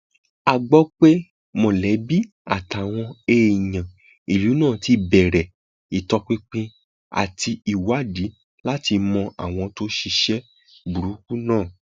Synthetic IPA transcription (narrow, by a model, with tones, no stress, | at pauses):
a˨ɡ͡bɔ˦k͡pe˦ | mõ˨lɛ˨˦bi˦ | a̰˦˨ta˨w̃ɔ̃˧e˧i˨j̃ã˨ | i˨lu˨˦nãː˦˨ti˨˧˦bɛ˨ɾɛ˨ | i˨tɔ˧k͡pĩ˧k͡pĩ˧ | a̰˨ti˧i˨wa˨˦˨di˨˦ | la˦ti˧mɔ̃˧ʔa˦˨w̃ɔ̃˧to˦ʃi˧ʃɛ˦ | bu˨ɾu˨˦ku˦nãː˦˨